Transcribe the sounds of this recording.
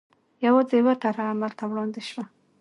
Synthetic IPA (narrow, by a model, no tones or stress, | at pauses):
jawad͡zewat̪aɾaːmalt̪awɽɑnd̪ɪʃwa